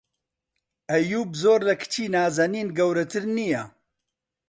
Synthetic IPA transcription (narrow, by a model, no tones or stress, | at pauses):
ɐjuːbzoːɾlɐkʰt͡ʃʰiːnaːzɐniːnɡɐwɾɐt̪ʰɨɾnija